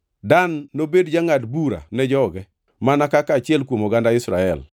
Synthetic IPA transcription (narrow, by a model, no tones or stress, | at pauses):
danːobedd͡ʒaŋatbuɾa̰nɛd͡ʒɔɡɛ | manakakaːt͡ʃɪɛlkwomoɡandaɪsɾa̰ɛ̰l